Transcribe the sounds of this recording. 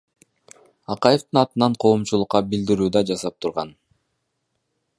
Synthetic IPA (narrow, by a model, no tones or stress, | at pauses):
ɑqɑjeft̪ɯnɑt̪ɯnɑɴqʰo̞ːmt͡ʃulˠʊqːɑbild̪iɾyːd̪ɑd͡ʒɑsɑp̚t̪ʰuɾʁɑn